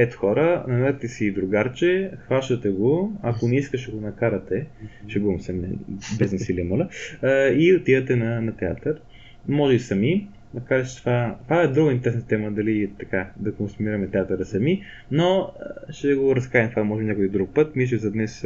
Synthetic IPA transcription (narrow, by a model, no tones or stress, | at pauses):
ɛt̪ʊ̥xɔɾənɐnaɾt̪ɛsid̪ɾʊɡaɾt͡ʃɛxvaʃt̪ət̪ɛɡoɐkonɛiskəʃɛɡonɐkaɾɐt̪ɛʃɛɡuɐmsɛmɛ̰biznɛsilimolə | iot̪ivɐt̪ɛnɐnɐt̪ɛa̰t̪əɾ | mɔʒɛbisɐmi | nɐkaɾɛt͡ʃt̪vat̪vaɛd̪ɾuɡəint̪ɛɾɛsnt̪ɛməd̪ɐlit̪ɐkad̪ɐkonsumiɾɐmɛt̪ɛat̪əɾəsɐmi | noʃt̪ɛɡoɾɐskaɾimt̪vamɔʒɛbinɲʲakojid̪ɾuk̚pɤt̪miʒɛzɐd̪nɛs